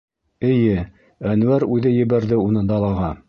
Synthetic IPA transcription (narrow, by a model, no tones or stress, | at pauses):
ɘ̆jɘ | ænwæɾʉðɘjɘ̆βæɾðɘunɤd̪ɑlˠɑʁɑ